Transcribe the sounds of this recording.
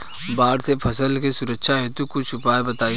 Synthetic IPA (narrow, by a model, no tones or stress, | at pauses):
baːɾsepʰɐsəlkesʊɾəkʃaɦɛt̪ukʊt͡ʃʰʊpaːebɐt̪aːi